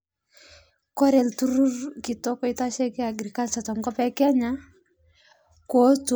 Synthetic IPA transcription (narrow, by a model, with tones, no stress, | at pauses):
kɔ˦ɾɛ˨ltu˦ɾu˦rki˨tɔ˦kɔ˦i˦ta˦ʃɛ˦ke˦a˨ɡɾi˨ka˦lta˨tɔ˨ŋɡɔ˦pɛ˦kɛ˦ɲa˦ | ko˦t͡s